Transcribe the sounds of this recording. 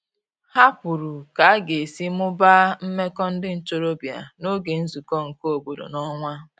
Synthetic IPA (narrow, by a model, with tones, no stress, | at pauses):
ha˦pu˨ɾu˨ka˨a˦ɡe˨si˦mʊ˦ba˦m̩˦me˦kɔ˦n̩˦dɪ˦n̩˨t͡ʃo˦ɾo˦bi˨a̰˨no˦ɡe˨n̩˦zu˨kɔ˦ŋ̩˨ko˦o˨bo˨do̰˨nɔ˦ŋʷa˦